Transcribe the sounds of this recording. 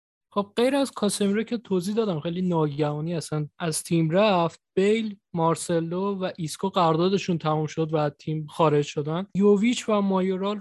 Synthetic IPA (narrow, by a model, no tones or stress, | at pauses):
χob̥̚ɢe̞jɾæzkʰɒːsemɾocʰe̞t̪ʰozihd̪ɒːd̪æmχejliːnɒːɟævɒːniːæsænʔæz̥t̪ʰiːmɾæft̪̚b̥ejlmɒːɾse̞lːovæʔiskʰoɢæɾd̪ɒːd̪e̞ʃunt̪ʰæmumʃo̞d̪væt̪ʰiːmxɒːɾe̞d͡ʒʃo̞d̪ænjovit͡ʃʰvæmɒːjoɾɒl